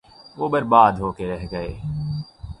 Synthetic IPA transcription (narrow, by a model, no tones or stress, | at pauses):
ʋoːbəɾbaːd̪ɦoːkeɾɛɦɡəḛː